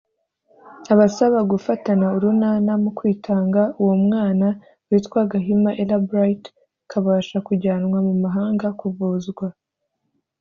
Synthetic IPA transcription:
aβasaβaɡufatanauɾunaːnamukwiːtʰaːŋɡauwomŋaːna | wiːtkwaɡaɦimaʔelabɾait | kʰaβaːʃakuɟaːnŋwamumaɦaːŋɡakuvuːzɡwa

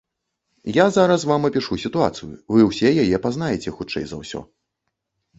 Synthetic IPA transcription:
jazaɾɐsvamɐpʲiʂusʲit̪ua̰t̪sɨjṵvɨwsʲɛjajɛpaznajɛt͡sʲɛxut͡ʂɛ̰jzɐ̰wsʲɔ̰

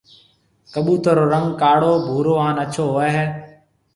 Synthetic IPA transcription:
kəɓuːt̪əɾoːɾəŋɡkaːɽoːbʱuːɾoːãːnət͡ʃʰoːɦoeːɦeː

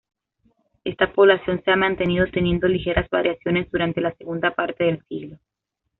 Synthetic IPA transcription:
e̞st̪apo̞β̞lasjo̞nse̞amãnt̪e̞nið̞o̞t̪e̞nje̞nd̪o̞lixe̞ɾʔazβa̰ɾʔjasjo̞ne̞zd̪uɾant̪e̞lase̞ɣund̪apaɾt̪e̞ð̞e̞lsiɣlo

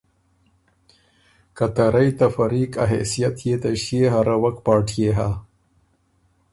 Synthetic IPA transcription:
kat̪aɾajt̪afɐɾiːka̰ɦḛsijat̪jet̪aɕeɦaɾawɐkpɑːʈʰjeɦa

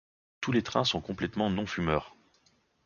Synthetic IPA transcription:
t̪ulet̪χɛ̃sɔ̃kɔ̃plɛt̪mɑ̃nɔ̃fymœːʁ

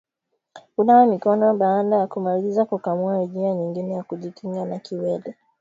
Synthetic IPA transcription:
unawɛmikɔnɔɓaːɗajakumalizakukamuaiʄiaɲiŋɡinɛjakuʄikʰiŋɡanakiwɛlɛ

